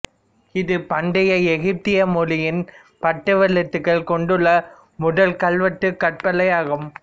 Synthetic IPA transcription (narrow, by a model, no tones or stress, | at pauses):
ɪðɯpɐɳɖɪjɐɛɣɪp̚t̪ɪjɐmʊlɪjɪn | pɐʈːɯʋɐlɐt̪ːɯkːɐɭkɔɳɖɯɭːɐ | mʊðɐlkɐɭʋɐʈːɯkːɐʈ̚pɐlɐjaːɣɯm